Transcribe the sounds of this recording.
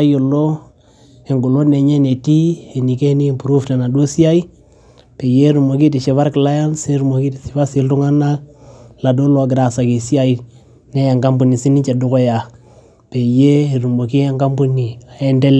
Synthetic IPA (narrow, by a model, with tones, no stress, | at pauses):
a˦jo˨lo˦ | e˨ŋɡu˨lo˦ne˨ɲe˦ne˨ti˦e˨ni˨ke˦ni˦˨pu˨ɾu˦fta˨na˨do˦si˦a˦i˦ | pe˨je˦ɾu˨mo˨ki˦ti˨ʃe˨βa˦ɾkla˦ja˦nse˦ɾu˨mo˨ki˦ti˨sɪ˨ba˦sɪ˨˦ltu˦ŋa˦na˦la˨do˦lo˦a˨ɡɾa˨sa˨ke˨si˦a˦i˨ | ne˦ja˨ŋɡa˦mbu˨ni˨si˦ni˦t͡ʃa˨du˦ko˦ja˨ | pe˨je˦e˨ɾu˨mo˨ki˦a˦ŋɡa˦mbu˦ni˨a˨ɛ˦ndɛ˦l